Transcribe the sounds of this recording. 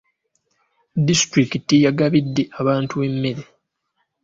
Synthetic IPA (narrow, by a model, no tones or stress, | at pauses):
distɾikitijaɡaβidːe̞aβaːntue̞mːe̞ɾe̞